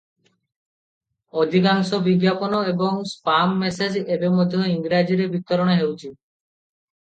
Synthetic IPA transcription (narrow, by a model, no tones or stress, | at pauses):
od̪ʱikaŋsɔbiɡjapɔnɔebɔŋspamːesed͡ʒebemod̪ʱjɔiŋɡɾad͡ʒiɾebit̪ːɔɾɔɽ̃eɦewt͡ʃʰi